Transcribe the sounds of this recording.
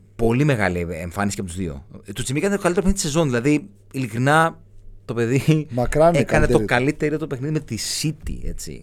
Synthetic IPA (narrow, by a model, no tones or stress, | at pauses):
po̞lime̞ɣɐ̰lieɱfɐnisicaɐpot̪uzðio̰t̪ut͡simikɐnet̪oɐliteɾpenisezo̞nðilɐði | ilikɾinɐ | t̪o̞pe̞ðimɐkɾɐnekɐnet̪okɐlit̪e̞ɾiot̪openiðimeisit̪ḭe̞̰t͡sḭ